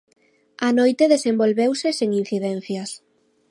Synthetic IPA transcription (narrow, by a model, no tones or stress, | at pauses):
anojt̪eðesembolβewseseŋin̟θiðɛn̟θjɐs